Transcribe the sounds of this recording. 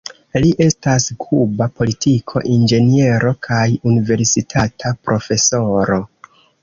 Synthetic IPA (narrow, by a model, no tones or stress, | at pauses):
liʔe̞staskʰubapo̞litʰikʰo̞̰ʔind͡ʒe̞nie̞ɾo̞kʰajunive̞ɾsitʰatʰapɾʔo̞fe̞so̞ɾo̞